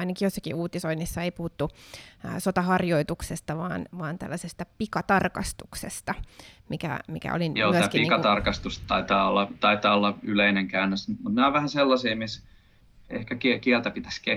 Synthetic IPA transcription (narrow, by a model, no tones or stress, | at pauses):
ɑinɑkijosːɑ̥kḭʔuːt̪isoinːisːɑeipuhut̪ːṵ | sot̪ɑhɑrjoit̪uksest̪ɑʋɑ̰ːnʋɑːnt̪æ̰lːæsest̪ɑpikɑt̪ɑrkɑst̪uksest̪ɑmikæ̰mikæ̰o̰linjoːyæækiiikɑt̪ɑrkɑst̪ust̪ɑit̪ɑːolːɑt̪ɑit̪ɑːolːɑyleineŋkæynːøsmut̪neoʋʋæhæselːɑsiːmis | ḛhkækikiælt̪æpit̪æ̥ske